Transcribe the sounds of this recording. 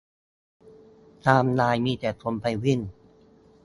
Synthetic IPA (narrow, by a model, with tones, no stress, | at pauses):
t̪aː˧mnaː˧jmiː˧t̪ɛː˨˩t̪ʰo˧mpa˧jwi˥˩n